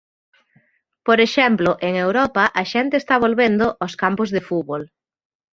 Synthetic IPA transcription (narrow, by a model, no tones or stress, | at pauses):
poɾeʃɛmplʊʔeŋewɾɔpɐʔɐʃɛnt̪eːst̪aβ̞olβend̪oʔaskampʊzðɪfuβol